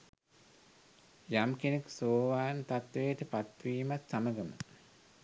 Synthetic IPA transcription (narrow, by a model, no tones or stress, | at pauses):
jamkeneksoːʋaːnt̪at̪ʋejʈəpat̪ʋiːmat̪saməɡəmə̰